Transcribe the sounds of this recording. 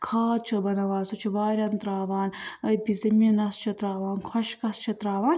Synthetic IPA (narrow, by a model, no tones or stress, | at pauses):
kʰaːt͡ʃʰɐbɐnɐʋaːsɐt͡ʃʰiʋaːɾʲɐnt̪ɾaːʋaːnəbizɐminɐst͡ʃʰɐt̪ɾaːʋaːnkʰɔʃkɐst͡ʃʰɐt̪ɾaːʋaːn